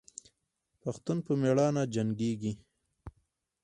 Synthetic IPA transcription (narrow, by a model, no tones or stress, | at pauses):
paxt̪unpəmeɽɑnad͡ʒaŋɡeɡi